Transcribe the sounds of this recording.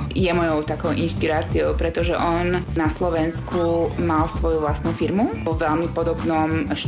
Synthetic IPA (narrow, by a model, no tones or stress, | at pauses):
jɛmɔjɔʊt̪akɔʊʔinʃpiɾaːt͡siɔʊpɾɛt̪ɔʒɛʔɔnnaslɔʋɛnskʰumalsʋɔjuʋlast̪nufiɾmuʋɔʋɛlmipɔd̪ɔbnɔmʃ